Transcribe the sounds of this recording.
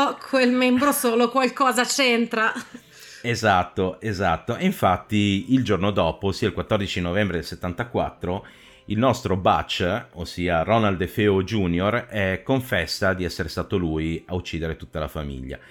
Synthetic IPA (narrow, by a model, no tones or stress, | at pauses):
kʰwelmɛmbɾosoːlokwalkɔːzat͡ʃɛnt̪ɾa | ezat̪ːoezat̪ːoeiɱfat̪ːiild͡ʒornod̪ɔːposiːailkwat̪ːɔrd̪it͡ʃinovɛmbɾed̪elset̪ːant̪akwa̰t̪ːɾo | ilnɔst̪ɾobat͡ʃːosiːaɾɔnald̪efeod͡ʒunjorɛkːoɱfɛsːad̪iɛsːeɾest̪aːt̪olujaut͡ʃːid̪eɾet̪ut̪ːalafamḭʎːa̰